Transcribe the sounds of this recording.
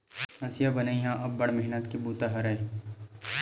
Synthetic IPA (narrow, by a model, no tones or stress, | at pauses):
ɐsjabɐnaiɦãʔɐbːɐɽmɛɦnət̪kibuːt̪aɦɐɾɐe